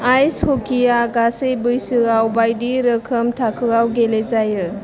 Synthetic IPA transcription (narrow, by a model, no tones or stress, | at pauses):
ajshɔkijaɡasɯjbɯjsɯɣawbajdiɾɯkʰəmtʰakʰɯɣawɡelezajɯ